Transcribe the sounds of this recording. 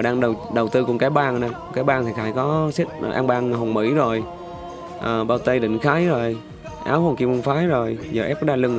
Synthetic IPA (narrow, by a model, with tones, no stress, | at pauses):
ɗaː˧ŋɗə˨˩wɗə˨˩wt̪ɨ˧kʊ˨˩ŋ͡mkaː˨˦jɓaː˧nnaː˧˩wkaː˨˦jɓaː˧nt̪ʰi˨˩xaː˨˩jkɔ˨˦se˦˥t̚ːʔa̰ː˧ŋɓaː˧nɦo˨˩ŋ͡mmḭ˧˥zo˨˩j | ʔəː˨˩ɓaː˧˩wt̪ə˧jɗḭ˧˨ŋ̟xaː˨˦jzo˨˩j | ʔa̰ː˨˦who˨˧˩ŋki˧əmu˧ŋ͡mfaː˨˦jzo˨˩jzəː˨˩ʔɛ˦˥ɗaː˧lɨ˧ŋ